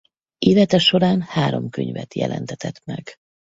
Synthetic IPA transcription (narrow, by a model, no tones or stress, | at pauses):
ʔeːlɛt̪ɛʃo̞ɾaːnhaːɾo̞mkøɲvɛt̪jɛ̰lʔɛ̰nt̪ɛt̪ɛt̪mɛɡ̥